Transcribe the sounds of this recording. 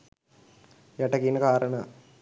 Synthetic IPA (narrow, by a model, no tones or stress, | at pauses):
jɐʈɐkinɐkaːɾɐɳɐ